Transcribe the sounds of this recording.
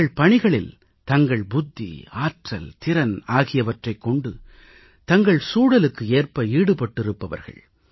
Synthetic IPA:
ɐɭpɐɳɪɣɐɭɪl | t̪ɐŋɡɐɭbʊd̪ːḭaːʈrɐlt̪ɪɾɐnaːɣɪjɐʋɐʈrɐɪkːɔɳɖɯ | t̪ɐŋɡɐɭsuːɽɐlɯkːɯeːrpɐiːɽɯpɐʈːɪɾɯpːɐʋɐ̰ɾɣɐ̰ɭ

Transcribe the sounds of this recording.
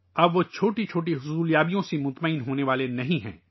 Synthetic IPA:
ɐbʋot͡ʃʰoːʈit͡ʃʰoːʈ̬iɦʊsuːljaːbijõsimʊt̪məɪnɦoːneʋaːlenɐɦĩɦɛ̰̃ː

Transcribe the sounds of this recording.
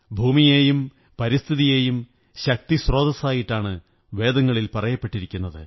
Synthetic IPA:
bʱuːmije̞ːjum | pɐɾist̪ʰiðije̞ːjum | ɕɐk̚t̪isro̞ːd̪ɐsaːjiʈːaːɳɨ | ʋe̞ːd̪ɐŋːɐɭilpɐrɐjɐpːe̞ʈːiɾikʲːunːɐðɨ

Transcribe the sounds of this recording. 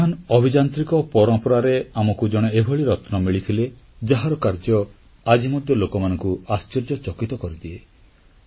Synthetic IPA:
anɔbʱid͡ʒant̪ɾikɔpɔɾɔmpɔɾaɾeamɔkud͡ʒɔɽ̃eebʱɔɭiɾɔt̪nɔmiɭit̪ʰile | d͡ʒaɦaɾɔkaɾd͡ʒɔ | ad͡ʒimɔd̪ʱjɔlokɔmanɔŋkuast͡ʃiɾd͡ʒɔt͡ʃɔkit̪ɔkɔɾid̪ie

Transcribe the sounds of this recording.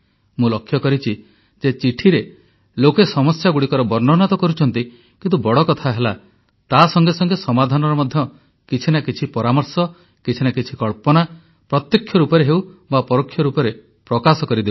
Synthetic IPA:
mũlɔkʰːjɔkɔɾit͡ʃʰi | d͡ʒet͡ʃiʈʰiɾe | lokesɔmɔsjaɡuɽikɔɾɔbɔɾnɔnɔt̪ɔkɔɾut͡ʃʰɔnt̪i | kint̪ubɔɽɔkɔt̪ʰaɦela | t̪asɔŋɡesɔŋɡesɔmad̪ʱanɔɾɔmɔd̪ʱjɔ | kit͡ʃʰinakit͡ʃʰipɔɾamɔɾsɔ | kit͡ʃʰinakit͡ʃʰikɔɭpɔna | pɾɔt̪jɔkʰːjɔɾupɔɾeɦewbapɔɾokʰːjɔɾupɔɾe | pɾɔkasɔkɔɾid̪eu

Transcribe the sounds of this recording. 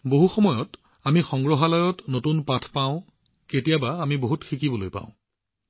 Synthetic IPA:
boɦuxɔmɔjɔt | amixɔŋɡɹɔɦalɔjɔtnotunpatʰpãʊ̃ | ketijabaːmiboɦutxikibɔlojpã̰ʊ̃

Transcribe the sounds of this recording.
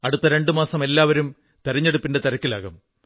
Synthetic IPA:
ɐɽut̪ːɐɾe̞ɳɖɨmaːsɐme̞lːaːʋɐɾum | t̪ɐɾiɲːeɽupːinde̞t̪ɐɾɐkːila̰ːɣɐm

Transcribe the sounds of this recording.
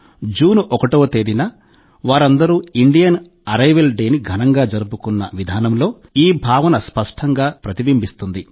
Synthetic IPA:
d͡ʒuːnuʔɔkɐʈoːt̪e̞ːd̪inɐ | ʋaːɾɐnd̪ɐɾuːiɳɖijɐn | ɐɾɐjʋelɖeːniɡʱɐnɐŋɡaːd͡ʒɐɾup̬ukunːɐʋid̪ʱaːnɐmlo̞ː | iːbʱaːʋɐnɐspɐʂʈʰɐŋɡaːpɾɐt̪ibimbist̪und̪i

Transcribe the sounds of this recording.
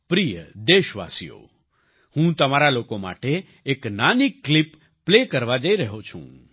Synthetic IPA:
pɾijəd̪eːʃʋa̰ːsijo̰ | hũt̪ɐmaɾalokoma̰ːʈeː | knaːnikːlipː | leːkəɾʋad͡ʒaiɾəɦot͡ʃʰṵ̃ː

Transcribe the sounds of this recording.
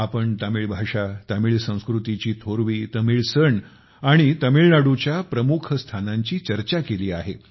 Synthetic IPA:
apəɳt̪amiːɭbʱaʂat̪amiːɭsə̃w̃skɾut̪it͡ɕiːt̪ʰoɾʋiːt̪əmiːɭsəɳ | aɽ̃it̪əmiɭnaɽut͡ɕjapɾəmukʰst̪ʰanaɲt͡ɕiːt͡ɕəɾt͡ɕakeliːaɦe

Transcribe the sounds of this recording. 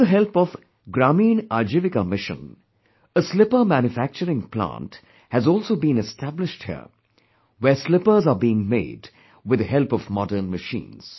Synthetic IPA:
əɦɛlpɔv | ɡɾamĩːnad͡ʒɪʋɪkamɪʃə̰̃n | əslɪpəmæ̃njʊfæk̚t͡ʃəɾɪ̃ŋplã̰ːnt | hæzɔːlˠsoːbĩnɛstʰæblɪʃʈhḭə̰ | wɛslɪpə˞zaːbiːɪ̃ŋmḛːd | wɪd̪əhɛlpɔvmɔdəːnməʃḭ̃ːnz̥

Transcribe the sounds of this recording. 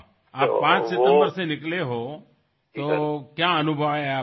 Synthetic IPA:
aːppãt͡ʃsɪt̪ə̃mbəɾsẽnɪkleɦo | t̪okjãːənubʱəʋea

